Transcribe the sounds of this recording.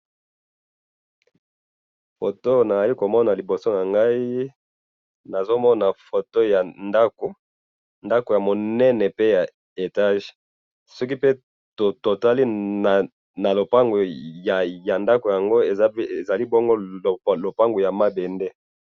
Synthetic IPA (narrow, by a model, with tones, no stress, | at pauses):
fo˨to˦na˨za˨li˦ko˨mɔ˦na˨li˨bo˨so˦na˨ŋɡa˦i˦ | na˨zo˦mɔ˦na˨fo˨to˦ja˨nda˦ko˨ | nda˦ko˨ja˨mo˨nɛ˦nɛ˨pe˦ja˨ | e˨ta˦˨ʒ | sɔ˦k̬i˦pe˦ | to˨to˨ta˦li˦a˨ | na˨lo˨pa˦ŋɡo˨ | ja˨nda˦ko˨ja˨ŋɡo˦e˨za˨li˦bo˦ŋɡo˦˨lo˨pa˦ŋɡu˨ja˨ma˦be˨ndɛ˦